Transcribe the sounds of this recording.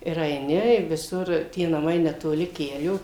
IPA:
ɪr ɐɪˈnʲɪ ɪr ʋʲɪˈsʊr tʲiɛ nɐˈmɐɪ nʲɛtoːˈlʲɪ ˈkʲæːlʲoː

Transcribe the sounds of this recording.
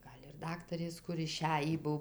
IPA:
ˈɡɐlʲ ɪr ˈdɑːktɐrʲeːs ˈkʊr ɪˈʃʲæjiː ˈbʊw

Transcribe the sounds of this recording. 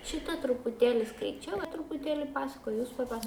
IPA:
ˈʃʲɪtɐ trʊpʊˈtʲeːlʲɪ skɐɪˈt͡ʃʲɛʊ trʊpʊˈtʲeːlʲɪ ˈpɑːsɐkoːj juːs pɐˈpɐs

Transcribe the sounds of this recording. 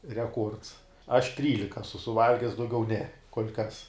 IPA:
rʲɛˈkuɔrts ɐʃ ˈtʲrʲiːlʲɪkɐ ɐsʊ sʊˈʋɐlʲɡʲɛs dɐʊˈɡʲɛʊ nʲɛ koːlʲ kɐs

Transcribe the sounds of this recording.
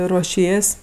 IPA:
ruɔˈʃʲiɛsʲ

